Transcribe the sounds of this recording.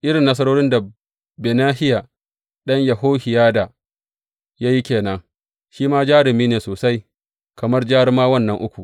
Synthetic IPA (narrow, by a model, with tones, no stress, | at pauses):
ʔɪ˦ɽɪ˨nːɐ˦s̬ɐ˦ɾoː˦ɽɪ˦nda˨ | beː˨naː˦hɪ˦ja˨ | ɗɐ˦ɲjɐ˨ɦoː˦hɪ˨jaː˦da˨ | jaː˦ji˦kʲeː˨nɐ˦ŋ | ʃiː˦maː˦d͡ʒaː˦ɾɪ˨miː˦neː˨soː˨sa˦j | kɐ˨mɐ˦rd͡ʒaː˦ɽɪ˦maː˦wɐ˦nːɐ˦ŋʔʊ˦kʷu˨